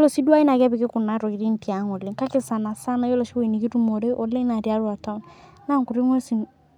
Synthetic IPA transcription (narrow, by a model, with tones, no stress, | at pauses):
lɔ˨si˦du˦a˦i˦na˨ɡa˦bɪ˨kɪ˦kʊ˨na˨˦ɾɔ˨ki˨ɾi˦n̩˦ti˨a˨˦ŋɔ˨le˨ŋka˦kɪ˦˨sa˨na˨sa˦na˨jɔ˦lɔ˨ʃi˦we˦˨i˨ni˨ɡi˦ɾu˦mɔ˨ɾe˦ʔɔ˨le˦na˨di˨a˦ɾu˦a˨ta˦m˦ | na˦ŋ˨ku˨ɾi˦ŋ˦e˦si˨